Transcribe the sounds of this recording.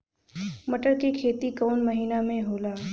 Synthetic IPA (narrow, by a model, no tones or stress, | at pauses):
mɐʈəɾkekʰeːt̪ikɔːnmɐɦiːnamẽɦoːlaː